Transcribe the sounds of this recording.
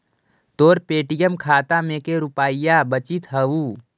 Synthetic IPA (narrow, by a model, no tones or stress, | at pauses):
t̪oːɾpeːʈijəmkʰaːt̪amẽkeɾʊpaːijabət͡ʃit̪ɦəuː